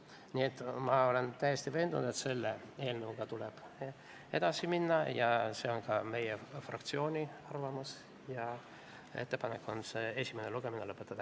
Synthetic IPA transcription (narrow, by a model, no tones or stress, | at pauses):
niet̪ːˑmɑo̞le̞nt̪æjːest̪ive̞ːnd̪unud̪et̪se̞lːee̞ːlnevuɡ̥ɑt̪uleb̥ | e̞d̪̥ɑsiminːɑjɑse̞ːo̞nkɑme̞jefrɑ̰kt̪sio̞ːnʲiɑrvɑmus | jɑ | e̞̰t̪ːe̞pɑnekːˑo̞nsee̞sʲimeneluɡ̥e̞minelɤpːˑet̪ːˑɑd̪̥ɑ